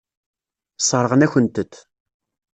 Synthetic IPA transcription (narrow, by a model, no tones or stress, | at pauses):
sˤəɾˤəʁənæçʷənt̪ət̪ː